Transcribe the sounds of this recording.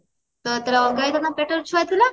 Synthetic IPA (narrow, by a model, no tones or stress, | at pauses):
t̪ət̪alaɔɡajt̪anːapɛʈəɾt͡ʃʰuʋajt̪ila